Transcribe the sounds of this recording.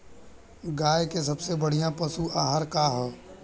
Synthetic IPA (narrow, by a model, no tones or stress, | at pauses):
ɡaːjkes̬ɐbsebɐɽ̤ijãpɐsuʔaːɦaɾkaɦɛː